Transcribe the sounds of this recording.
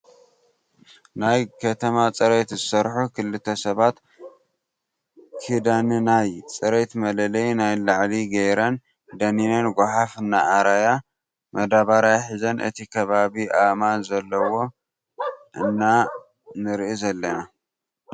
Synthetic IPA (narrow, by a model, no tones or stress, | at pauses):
najkʰɐt̪ʰɐmat͡sʼɐɾet̪zɨsɐɾħukʰɨlːɨt̪ʰɐsɐβat̪ | kʰid̪anɨnajt͡sʼɐɾet̪mɐlɐlɐjnajlaʕliɡɐjɾɐn | d̪ɐninɐnɡʷoħafɨnːaʔːɾaja | mɐd̪aβaɾajħizɐnʔɨ̰t̪ʰikʰɐβaβiʔamanzɐlːɐwo̞ | ʔɨnːa | nɨɾʔizɐlːɐna